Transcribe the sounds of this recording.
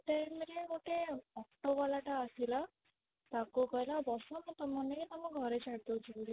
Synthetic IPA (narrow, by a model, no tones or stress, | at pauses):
ʈajmeɾeɡoʈeɔkʈobɔlaʈaːsila | t̪akokɔjlabɔsɔmɔt̪ɔmɔnekit̪amɔɡʱɔɾet͡ʃʰaɽt̪owt͡ʃʰibuli